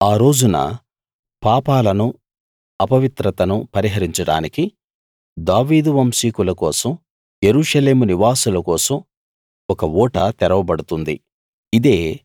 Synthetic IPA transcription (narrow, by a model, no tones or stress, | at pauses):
aːɾo̞ːd͡ʒunɐ̰ | paːpaːlɐnu | ɐpɐʋit̪ɾɐt̪ɐnupɐɾiɦɐɾiɲt͡ʃɐɽa̰ːniki | d̪aːʋiːd̪uʋɐmsiːkulɐkɔːsɐm | jeɾuːʂɐle̞ːmuniʋaːsulɐkɔːsɐm | ɔkɐɔːʈɐt̪ɛɾɐʋɐbɐɽut̪und̪ḭ | id̪e̞ː